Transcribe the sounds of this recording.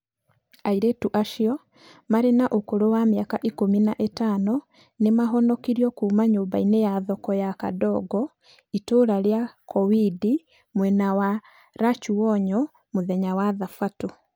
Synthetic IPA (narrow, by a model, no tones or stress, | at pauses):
aiɾetuʔaʃiɔ | maɾenaʔokoɾowameakaʔikominaʔetanɔ | nemaɦɔnɔkiɾiɔkuːmaɲoːmbainejaðɔkɔjaka̰dɔɡɔ | itoɾaɾjakʰɔwidi | mwɛnawa | ɾat͡ʃuɔɲɔ | moðɛɲawaðafato